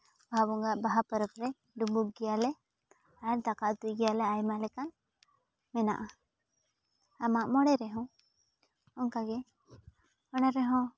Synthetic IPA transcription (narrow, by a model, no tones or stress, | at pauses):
baabɔŋɡaʔbaɦapəɾəpɾɛ | ɖumub̚ɡɛjalɛ | aɛɾd̪akaʔd̪ujɡɛjalɛajmalɛkan | mɛna̰ʔa | amaʔmɔɽɛɾɛɦɔ̃ | ɔŋkaɡɛ | ɔnaɾɛɦɔ̃